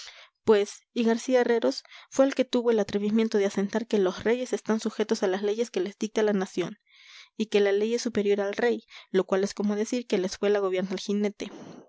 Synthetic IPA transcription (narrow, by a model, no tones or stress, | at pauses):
pwe̞siɣaɾsiaere̞ɾo̞sfwe̞ːlke̞t̪uβo̞elat̪ɾeβimje̞nt̪o̞ðease̞nt̪aɾke̞lo̞sre̞ʝe̞se̞st̪ansuxe̞t̪o̞salasle̞ʝe̞ske̞le̞zd̪ik̚t̪alanasjo̞̰n | ike̞lale̞je̞sːupe̞ɾjoɾalre̞jlo̞kwale̞sko̞mo̞ðe̞siɾke̞leskwe̞laɣ̞oβjeɾnaelxine̞t̪e